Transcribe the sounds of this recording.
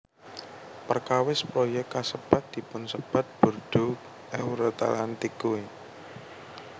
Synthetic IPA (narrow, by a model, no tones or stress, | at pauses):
pərkawɪspɾojɛkasəb̥at̪̚d̪̥i̤pʊnsəb̥a̤t̪̚b̥ṳrd̪̥o | ɛwuɾot̪a̰lant̪ɪkːue